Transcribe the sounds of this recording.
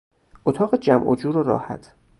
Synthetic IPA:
ʔot̪ʰɒːɣed͡ʒæmʔo̰d͡ʒuːɾoɾɒ̰ːhæ̰t̪ʰ

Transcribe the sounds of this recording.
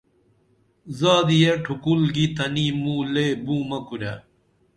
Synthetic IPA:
zaːd̪ijeʈʰukulɡit̪ɐnimuːleːbũːmɐkuɾa

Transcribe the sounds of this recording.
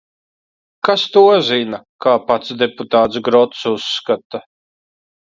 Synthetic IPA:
kast̪uɔzinakaːpat̪sd̪ɛput̪aːt̪sɡɾɔt̪susːkat̪a

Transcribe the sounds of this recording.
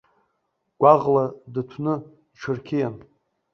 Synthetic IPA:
ɡ̥ʷaʁladɨtʷʰnɨ | dʈ͡ʂʰɨrkʲʰijan

